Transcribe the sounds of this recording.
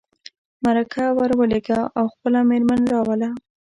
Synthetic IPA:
maɾakʰawaɾwəleɡaawxpəlameɾmanɾɑwəla

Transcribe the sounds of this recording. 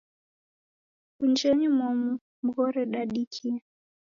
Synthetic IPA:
kund͡ʒɛɲimɔmu | m̩ɡɔɾɛɗaɗikʰia

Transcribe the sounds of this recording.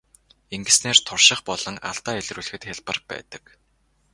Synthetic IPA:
eŋɡɘ̆sneːrt̪ʰʊrʃɪ̆χpɔɮɞ̆ŋa̰ɬt̪aːeɮruːɮxɘ̆t̪xʲaɮpə̆rpæ̰ːt̪ə̥̆k

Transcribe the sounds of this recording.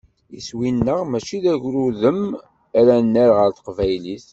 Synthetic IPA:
ḭswinːəʁmæt͡ʃiðæʝɾuðəm | æɾænːæɾʁəɾθə̥qvæjliθ

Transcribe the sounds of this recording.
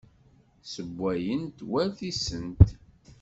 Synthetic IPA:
səbʷːæjənt̪wæθisənt̪

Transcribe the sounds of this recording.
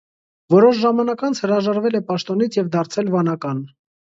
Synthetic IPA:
vɔɾɔʃ̬ʒɑmɑnɑkɑnt͡sʰhəɾɑʒɑɾvɛlɛpɑʃt̪ɔnit͡sʰjɛvd̪ɑɾt͡sʰɛlvɑnɑkɑn

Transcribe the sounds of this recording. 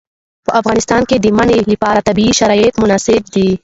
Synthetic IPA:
pəʔafɣɑnɪst̪ɑnked̪əmanelipɑɾat̪abiːʃaɾɑjet̪mʊnɑsɪb̚d̪i

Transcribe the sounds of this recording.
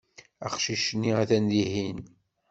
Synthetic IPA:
æ̰χʃiʃnːiæθænðihin

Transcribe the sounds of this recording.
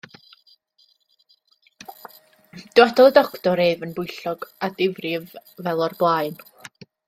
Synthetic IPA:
d̥ɪwadʰɔlˠədɔktɔɾeːvənbʊjɬɔɡ̥adɪvrɪvvɛlˠɔrblˠajn

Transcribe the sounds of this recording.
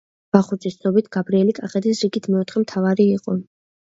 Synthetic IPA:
b̥aχuɾzʼist̪sʰnɔbit̪ʰɡ̥abɾiɛlikʼaχɛt̪ʰisɾiɡit̪ʰmɛɔt̪ʰχɛmt̪ʰavaɾiːqʼɔ

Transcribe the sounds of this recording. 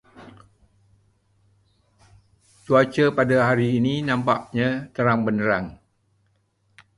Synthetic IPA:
t͡ʃuat͡ʃəpadaɦaɾiːninãmpaʔɲãt̪əɾaŋbənəɾaŋ

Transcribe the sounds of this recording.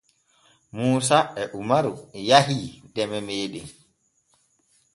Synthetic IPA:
muːsaɛʔumaɾuɛjaɦiːdɛmɛmeːɗɛ

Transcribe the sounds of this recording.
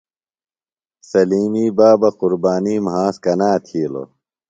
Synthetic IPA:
sɐliːmiːbaːbɐquɾbaːniːmɦãːskɐnaːt̪ʰiːlo̰

